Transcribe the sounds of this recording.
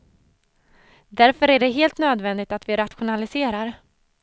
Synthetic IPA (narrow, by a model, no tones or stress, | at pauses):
d̪æɾfœɾæɖɛɦeːlt̪nøːd̪vɛnd̪ɪt̪at̪vɪɾat̪ɧʊnalɪseːɾaɾ